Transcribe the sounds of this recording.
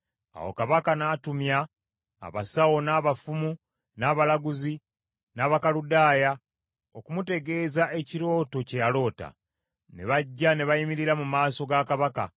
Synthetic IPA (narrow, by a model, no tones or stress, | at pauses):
a̰wo̞̰kaβakanaːtumja̰ː | βa̰sawo̞naːβafumu | naːβalaɡuzi | naːβakaludaːja | okumute̞ɡe̞ːzae̞ciɾo̞ːto̞cejalo̞ːta̰ | ne̞̰βaɟːane̞βajimiɾiɾamumaːso̞ɡakaβaka̰